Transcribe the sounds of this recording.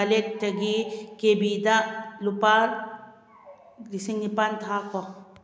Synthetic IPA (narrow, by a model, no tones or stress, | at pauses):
alek̚tɐɡikebid̪alupaːɾ | ɾisiŋnipant̪ʰaːko